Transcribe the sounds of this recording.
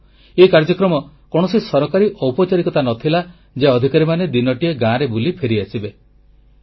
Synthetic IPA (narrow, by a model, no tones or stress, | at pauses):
ekaɾd͡ʒɔkɾɔmɔ | kɔɽ̃ɔsisɔɾɔkaɾiʔɔwpɔt͡ʃaɾikɔt̪anɔt̪ʰila | d͡ʒeɔd̪ʱikaɾimaned̪inɔʈieɡãɾebulipʰeɾiasibe